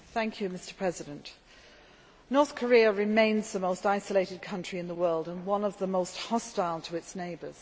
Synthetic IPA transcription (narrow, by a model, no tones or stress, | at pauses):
θæ̃ŋkʰjɨmɪstə˞pʰɹ̥ɛzɨɾə̃nʔ | nɔɹθkʰə˞iəɹɪmẽɪ̃nzðəmoʊstaɪsəleɪɾɨd̚kʰʌ̃nt͡ʃɹ̥iɨ̃nðəwɜ˞lˠdə̃nwʌ̃nʌvðəmoʊst̚hɑstaɪlˠtʰəɪtsneɪbə˞z̥